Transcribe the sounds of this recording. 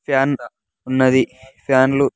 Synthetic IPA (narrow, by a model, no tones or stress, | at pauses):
pʰjaːn | unːɐd̪ipʰjaːnlu